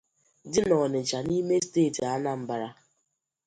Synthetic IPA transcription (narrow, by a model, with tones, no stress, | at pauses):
dɪ˦nɔ˨nɪ˨d͡ʒa˨ni˦me˦steː˦˨ta˦na˨m̩˨ba˨ɾa˦